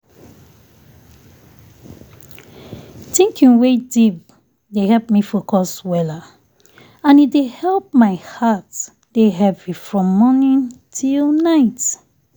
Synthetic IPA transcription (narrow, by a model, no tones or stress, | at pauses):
tĩŋkʰĩŋwediv | dehɛlpmifokɔswɛla | ãnitdehɛlˠp̚maɪhat | deɦɛvifɹɔ̃mːɔnĩntʰilˠnaɪt